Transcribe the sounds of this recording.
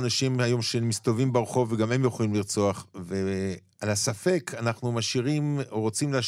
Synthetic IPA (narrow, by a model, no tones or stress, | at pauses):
anaʃimhajo̞mʃemist̪ovimbaʁχo̞veɡame̞mjoχolimliʁt͡so̞aχve | alasafe̞kanaχnumaʃiʁimoʁo̞t͡simlea